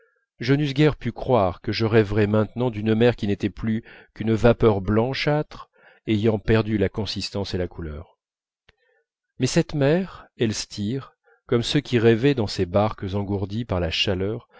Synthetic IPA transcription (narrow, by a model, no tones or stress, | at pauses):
ʒənys̬ɡʲɛʁpykχwaʁkəʒəʁɛvʁɛmɛ̃t̪nɑ̃d̪ynmɛʁkʲinet̪ɛplykynəvapœʁblɑ̃ʃat̪χ | ejɑ̃pɛʁd̪ylakɔ̃sist̪ɑ̃selakulœːʁ | mɛsɛt̪mɛʁɛlst̪ʰiʁ | kɔmsøkʲʰiʁɛvɛd̪ɑ̃sebaʁkəzɑ̃ɡuʁd̪ipaʁlaʃalœʁ